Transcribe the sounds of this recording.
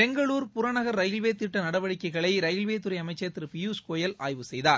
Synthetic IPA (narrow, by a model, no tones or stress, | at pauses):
pɛŋɡɐɭuːɾpʊɾɐnɐɣɐɾɾɐjɪlʋeːt̪ːɪʈːɐnɐɽɐʋɐɽɪkːɐɪɣɐɭɐɪɾɐjlʋeːt̪ːʊɾɐɪɐmɐɪt͡ʃːɐɐt̪ːɪɾpɪjuːskoːjɐlʔa̰ːjʋɯsɛjðaːɾ